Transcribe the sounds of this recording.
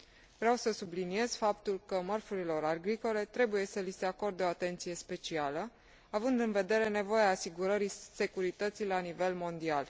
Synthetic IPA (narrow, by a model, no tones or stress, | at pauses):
vɾeawsəsublinie̞z̥fapt̪ulkəmərfuɾilo̞ɾarɡɾiko̞le̞t̪ɾe̞buje̞səlise̞ako̞rd̪eo̞at̪e̞nt̪sije̞spe̞t͡ʃialə | avɨnd̪ɨnve̞d̪e̞ɾe̞ne̞vo̞jeaːsiɡuɾəɾise̞kuɾit̪ət̪silanive̞lmo̞nd̪ial